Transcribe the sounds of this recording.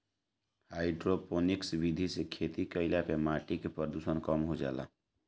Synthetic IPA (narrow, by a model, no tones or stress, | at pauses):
haɪɖɾoponiksbid̪ʱisekʰet̪ikəɪlapemaʈikepəɾd̪usənkəmɦod͡ʒa̰la̰